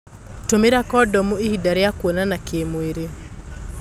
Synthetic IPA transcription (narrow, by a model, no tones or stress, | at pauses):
tomeɾakɔdɔmuehidaɾejakwonanakʰemweɾe